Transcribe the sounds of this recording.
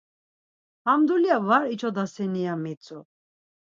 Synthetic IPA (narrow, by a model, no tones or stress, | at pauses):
hamd̪uliavaɾit͡ʃʰɔd̪asɛnijamit͡sʼu